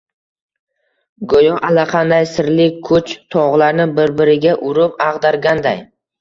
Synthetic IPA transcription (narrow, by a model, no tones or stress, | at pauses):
ɡojɒʔalaqʰɑnd̪ajsɪɾlɪkʰʊt͡ʃt̪ʰɒʁlaɾnɪbɪɾbɪɾɪɡʲaʔʊɾʊpɑʁd̪aɾɡʲand̪aj